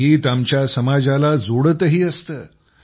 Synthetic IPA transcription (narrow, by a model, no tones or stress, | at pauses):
iːt̪amt͡ɕjasəmad͡zalad͡zoɽət̪əɦiːəst̪əː